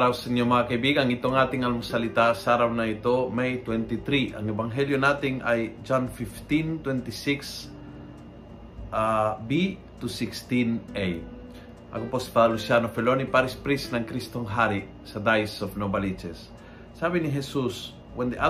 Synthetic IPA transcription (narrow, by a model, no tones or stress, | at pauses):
ɾawsiɲːomɐŋɐkɐjbiɡaŋɪt̪oŋat̪ɪŋɐŋsɐlɪt̪asaɾawnɐɪt̪omajt̪wɛnt̪it̪ɾiʔɐ̰ŋɛbɐŋɦɛljonat̪ɪŋʔajd͡ʒanfift̪int̪wɛnt̪ɪsiks | abi | t̪usikst̪inʔej | ʔɐ̰kopospad̪alusjanofɛlonipaɾispɾisnɐŋkɾist̪oŋɦaɾɪ | sɐd̪ajsofnobɐlit͡ʃɛsː | aːbɪnɪɦɛsus | wɛnd̪iʔa